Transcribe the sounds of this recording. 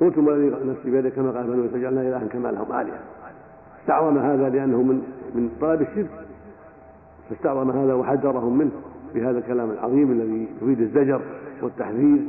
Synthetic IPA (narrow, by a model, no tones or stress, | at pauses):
kʊlt̪ʊmalːaðinasibaːd̪akːamaqɑːlmanwsad͡ʒalnaʔɪlʔahmkama̰ːlahʊmʔa̰ːlɪ̰ja̰ | fast̪ɑʕðˤɑnahaːðalɪʔanːhʊmɪnmɪnt̪ˤːɑlɑbɪʃɪd̪ | fast̪ɑʕðˤɑnaɦaːðawaħaðːɑɾˤɑhʊmːɪnhbɪhaːðalkalaːmalʕɑ̰ðˤiːmʔalːaðit̪ʊfiːd̪ɪzːad͡ʒɑɾˤwɪt̪ːaħðiːð